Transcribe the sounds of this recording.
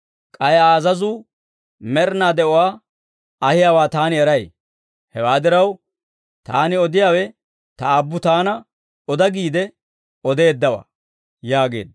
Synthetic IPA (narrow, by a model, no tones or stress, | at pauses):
kʼɐjaːzɐzu | mɛɾnaːd̪ɛɔwaː | ɐhɪjaːwaːt̪aːnɪɛɾɐj | hɛwaːd̪ɪɾɐw | t̪aːnɪɔd̪ɪjaːwɛ | t̪ɐːbːʊt̪aːnɐ | ɔd̪ɐɡiːd̪ɛ | ɔd̪e̞ːd̪ːɐwɐ̰ | jaːɡe̞̰ːd̪